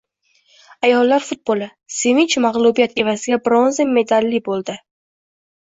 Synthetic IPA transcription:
ajɒlˠːaɾfʊt̪̚bolˠɪ | semɪt͡ʃmaʁlˠubijat̪ʰe̞vazɪɡʲabɾonzame̞d̪alːibolˠd̪ɪ

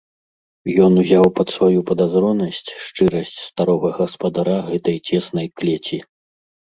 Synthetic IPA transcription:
jɔnuzʲawpɐt̪svajupɐd̪azɾɔnɐsʲt͡sʲʂt͡ʂɨɾɐsʲt͡sʲst̪aɾɔɣɐɣɐspɐd̪aɾaɣɛt̪ɐjt͡sʲɛsnɐjklʲɛt͡sʲi

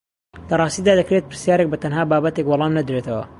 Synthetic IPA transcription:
lɐrˤɑːst̪iːd̪aːd̪ɐkɾet̪̚pɨɾsjaːɾek̚bɐt̪ʰɐnɦaːbaːbɐt̪ekwɑlˠɑːmnɐd̪ɾet̪ʰɐwɐ̰

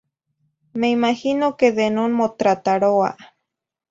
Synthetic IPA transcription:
meimahinokeðenonmot̪ɾat̪aɾoa̰ʔ

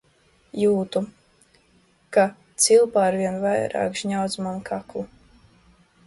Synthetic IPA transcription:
juːt̪u | kat̪silˠpaːɾviɛnvajɾa̰ːkʃɲawt̪smankʰaklˠu

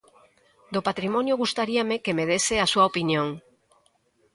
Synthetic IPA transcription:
d̪opat̪ɾimɔ̃njoɣust̪aɾiamekemeð̞eseasuaopinjõŋ

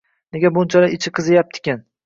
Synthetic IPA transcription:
neɡʲabʊnt͡ʃʰalaɪt͡ʃʰɪqʰɨzɪjap̚t̪ʰɪ̥kʲɪn

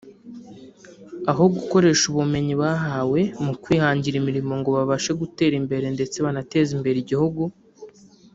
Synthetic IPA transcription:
aɦo̞ɡuko̞ɾe̞ːʃuβume̞ɲiβaːɦaːwe̞mukwiːhaːɲɟiɾimiɾimo̞ŋɡo̞βaβaʃe̞ɡute̞ːɾimbe̞ɾe̞nde̞t͡se̞βanate̞zimbe̞ɾiɟihuɡu

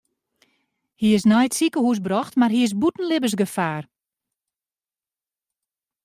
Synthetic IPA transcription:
hiɪsnɔjtsikəhus̬brɔxtmarɦiɪs̬butn̩lɪbəs̬ɡəfaːr

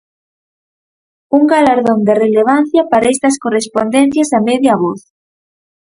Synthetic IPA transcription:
uŋɡalaɾðond̪ereleβ̞an̟θjɐpaɾaɛst̪ɐskorespond̪ɛn̟θjɐsamɛðjɐβoθ

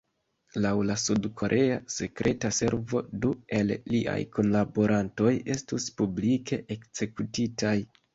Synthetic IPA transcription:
lawlasudkʰo̞ɾʔe̞ase̞kɾʔe̞tase̞ɾvo̞due̞lːiʔa̰jkʰo̞nlabo̞ɾʔanto̞je̞stuspublike̞ʔekze̞kutitʰaj

